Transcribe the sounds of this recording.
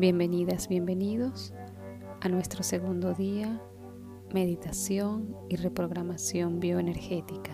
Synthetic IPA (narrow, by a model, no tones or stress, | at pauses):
bje̞mbeniðazbje̞mbeniðo̞s | anwe̞st̪ɾose̞ɣund̪oðia | me̞ðit̪asjo̞ŋire̞pɾo̞ɣɾamasjo̞mbjo̞ene̞ɾxet̪ika